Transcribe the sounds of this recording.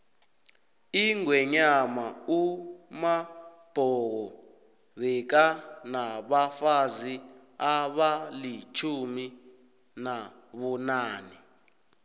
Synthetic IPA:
iŋwɛɲamauma | b̥ʱɔɣɔ | βɛk̬anaɓafazi | aɓalit͡ʃʰumi | na | ɓunaːni

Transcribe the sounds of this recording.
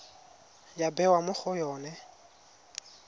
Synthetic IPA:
jabɛwamʊk͡xʰʊjɔːnɛ

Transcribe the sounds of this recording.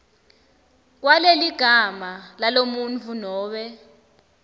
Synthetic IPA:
k̬waleliɡ̥ʱamalalomunt͡fʰunɔːɓɛ

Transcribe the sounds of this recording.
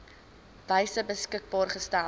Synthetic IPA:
b̥əjsəbəskək̚bɑːrχəstæ

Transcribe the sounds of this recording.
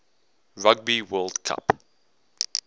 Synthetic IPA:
ɹaɡ̚biwɜːldkʰa̰p

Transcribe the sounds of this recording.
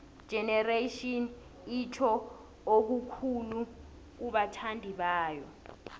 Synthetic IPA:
d̥ʒ̥ʱɛnɛreʃɔn | itʰɔ | ok̬ukʰulu | k̬uɓatʰandʱiɓaːjɔ

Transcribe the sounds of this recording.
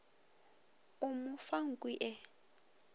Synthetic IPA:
umufaŋ̩kʼwiʔɛ

